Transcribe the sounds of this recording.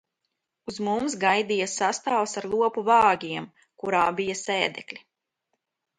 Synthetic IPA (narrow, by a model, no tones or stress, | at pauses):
uzmumsɡajd̪ijasast̪aːwsaɾlˠuɔpuvɑːɡʲiɛm | kuɾaːbijasɛːd̪ɛklʲi